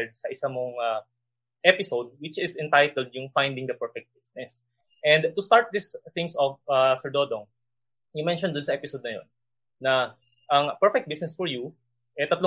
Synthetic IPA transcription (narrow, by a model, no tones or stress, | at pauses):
ɹd̪̚sɐʔɪsamoŋa | ʔɛpɪsowd̪̚wɪt͡ʃɪsɛ̃nt̪ajt̪ɛld̪̚jʊŋfajnd̪ɪ̃ŋd̪ɐpɛɹfɛk̚t̪̚bɪsnɛs | ʔɛ̃nd̪t̪ʊst̪aɹt̪̚d̪ist̪ɪ̃ŋsɔvasɛɹd̪oːd̪oŋ | jʊmɛnʃɔnd̪ʊnsɐʔɛpɪsowd̪nɐjo̰nː | ɐ | ʔɐŋpɛɹfɛk̚t̪̚bisnɛsfɔɹju | ʔɛt̪ɐt̪lo